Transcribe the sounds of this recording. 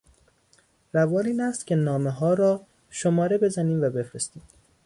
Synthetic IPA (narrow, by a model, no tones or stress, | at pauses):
ɾævɒːliːnæst̪cʲʰe̞nɒːmeɦɒːɾɒː | ʃomɒːɾe̞be̞zæniːmvæbe̞fɾe̞st̪iːm